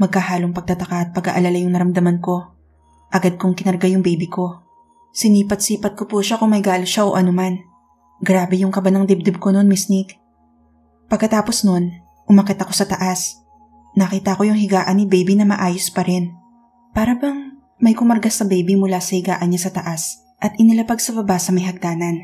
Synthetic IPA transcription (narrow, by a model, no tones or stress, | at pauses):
mɐɡ̚kːɐhaːloŋpɐɡ̚t̪ɐt̪ɐkaʔɐt̪̚pɐɡɐ̰ʔɐlaːlajʊŋnɐɾɐmd̪ɐmanko̞ | ʔɐɡad̪̚kʊŋkɪnɐɾɡajʊŋbɛjbɪko̞ | sɪniːpɐt̪̚siːpɐt̪̚kopuʃakʊŋmɐjɡaːloʃaʔo̰ʔɐnoman | ɡɾaːbɛjʊŋkɐbanɐŋd̪ɛb̚d̪ɛb̚kono̞nmɪsnik | pɐɡ̚kːɐt̪aːpo̞sno̞n | ʔʊmɐkɛt̪ɐko̞sɐt̪ɐʔas | nɐkiːt̪ɐko̞jʊŋɦɪɡaːʔɐnɪbɛjbinɐmɐ̰ʔaːjospɐɾɛn | paːɾɐbɐŋ | mɐjkʊmɐɾɡasɐbɛjbimʊlasɐhɪɡaːʔɐnɲasɐt̪ɐʔas | ʔɐt̪̚ʔɪnɪlɐpɐɡ̚sɐbɐbasɐmɐjhɐɡ̚d̪aːnɐn